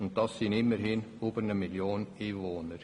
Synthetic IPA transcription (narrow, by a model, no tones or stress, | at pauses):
ʊnt̚d̥ɑsːinɪmːəɾhɪnubəɾnəmiljoːniːvoːnəɾ